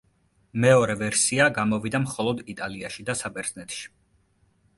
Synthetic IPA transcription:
mɛɔɾɛvɛɾsiaɡamɔvid̪amχɔlˠɔd̪it̪ʼaliaʃid̪asabʼɛɾt̪nɛt̪ʰʃi̥

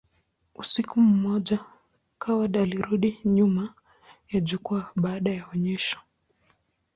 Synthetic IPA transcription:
usikum̩mɔʄa | kawaɗaːliɾuɗiɲuma | jaʄukuaɓaːɗajaɔɲɛʃɔ̥

